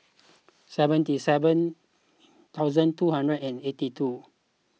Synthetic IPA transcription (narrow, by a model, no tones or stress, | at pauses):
sɛvə̃ntisɛvə̃n | t̪ʰawzə̃ntuɦãndɹədɛ̃netitʰu